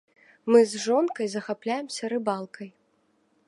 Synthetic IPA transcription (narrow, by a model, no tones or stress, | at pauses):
mɨzʐɔnkɐjzɐxaplʲajɛmsʲɐɾɨbalˠkɐj